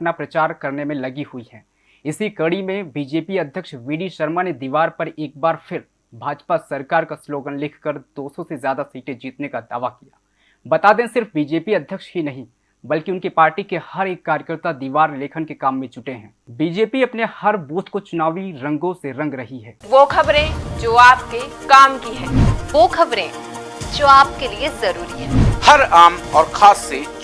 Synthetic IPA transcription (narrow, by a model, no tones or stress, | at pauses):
pnapɾɐt͡ʃaːɾkɐɾnemẽlɐɡiɦʊiɦɛː | ɪsikɐɽimẽbiːd͡ʒeːpiɐd̪ʱjəkʃʋiːɖiʃɐɾmaned̪iːʋaːɾpɐɾeːk̚baːɾfʰɪɾ | bʱaːd͡ʒpasɐɾkaːɾkasloːɡənlɪkʰkəɾd̪oːsɔsezjaːd̪asiːʈẽd͡ʒiːt̪nekad̪aːʋakijaː | bɐt̪aːd̪ẽsɪɾfbiːd͡ʒeːpiɐd̪ʱjəkʃɦinɐɦĩ | bɐlkiʊnkipaːɾʈikehɐɾeːkːaːɾjəkəɾt̪ad̪iːʋaːɾleːkʰənkekaːmːẽt͡ʃʊʈeɦɛ̃ːbiːd͡ʒeːpiɐpnehɐɾbuːt̪ʰkot͡ʃʊnaːʋiɾɐ̃ŋɡõseɾɐ̃ŋɡɾɐɦiɦɛːʋoːkʰɐbɾẽd͡ʒoːaːp̚kekaːmkiɦɛ̃ːoːkʰɐbɾẽː | d͡ʒoːaːp̚keliezɐɾuːɾiɦɛːhɐɾaːmɔːɾkʰaːsːe